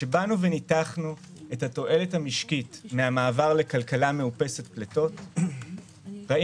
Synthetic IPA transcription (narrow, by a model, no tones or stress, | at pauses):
ʃe̞banuvenitaχnue̞thato̞ʔe̞lethamiʃkitmeamaːvaʁle̞kalkalame̞upe̞se̞tpleto̞t | ʁai